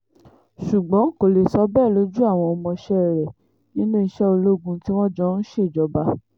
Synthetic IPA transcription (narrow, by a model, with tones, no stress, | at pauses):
ʃu˨ɡ͡bɔ̃˨˦ŋ̩˦˨ko˨le˨sɔ˧˦bɛ˦˨lo˨˦d͡ʒu˦a˦˨w̃ɔ̃˧ɔ˧mɔ̃˧ʃɛ˦˨ɾɛ˨ | nĩ˦nũ˦i˧ʃɛ˦o˧lo˦ɡũ˧ti˦w̃ɔ̃˦d͡ʒɔ˧n̩˦ʃe˦˨d͡ʒɔ˨˦ba˧˦